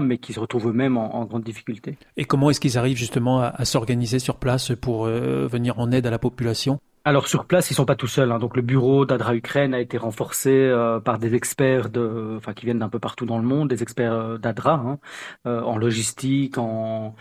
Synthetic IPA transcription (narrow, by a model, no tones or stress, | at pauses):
mɛkʲisəʁət̪χuvømɛmɑ̃ɑ̰̃ɡʁɑ̃d̪d̪ifi̥kʲylt̪e | ekɔmɑ̃ɛskilzaʁivʒyst̪əmɑ̃aʔasɔʁɡanizesyʁplaspuʁøvəniʁɑ̃nɛd̪alapɔpylasjɔ̃ | alɔʁsyʁplasilsɔ̃pat̪usœlɛ̃d̪ɔ̃kləbyʁod̪ad̪ʁaykχɛnaet̪eʁɑ̃fɔʁseøpaʁd̪ezɛkspɛːʁd̪əɑ̃fɛ̃kʲivjɛnd̪ɛ̃pøpaʁt̪ud̪ɑ̃ləmɔ̃d̪ːezɛkspɛʁød̪ad̪ʁaɛ̃øɑ̃lɔʒist̪ikɑ̃